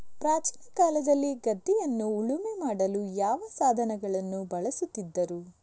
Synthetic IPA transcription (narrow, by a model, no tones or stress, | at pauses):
pɾaːt͡ʃinɐkaːlɐd̪ɐlːiɡɐd̪ːijɐnːuːɭumemaːɽɐlujaːʋɐsaːd̪ʱɐnɛɡɐɭɐnːubɐɭɐsut̪ːid̪ːɐɾu